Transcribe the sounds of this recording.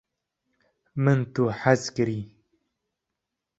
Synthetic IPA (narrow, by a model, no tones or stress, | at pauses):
mɨnt̪uħazkɨɾiː